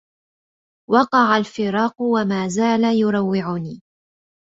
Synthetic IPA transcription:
wɑqɑʕalfɪɾɑːqʊwamaːzaːlajʊɾˤɑwːɪʕʊniː

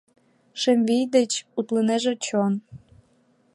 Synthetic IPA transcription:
ʃĕmʲvijd̪ĕt͡ɕut̪lɤ̆nĕʒĕt͡ɕon

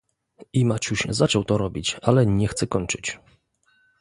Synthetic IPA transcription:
imat͡ɕuɕzat͡ʂɔwt̪ɔɾɔbʲit͡ɕalɛɲɛxt̪sɛkɔɲt͡ʂɘt͡ɕ

